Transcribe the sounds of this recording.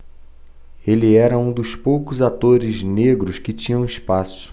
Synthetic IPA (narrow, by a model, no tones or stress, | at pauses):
elɪɛɾɐũd̪ʊspowkʊzat̪oɾɪzneɡɾʊskɪt͡ʃĩɲɐ̃w̃ispasʊ̥